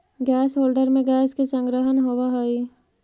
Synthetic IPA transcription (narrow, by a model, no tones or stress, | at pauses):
ɡɛːsɦoːlɖəɾmẽɡɛːskesə̃ŋɡɾəɦənɦoʋaɦoiː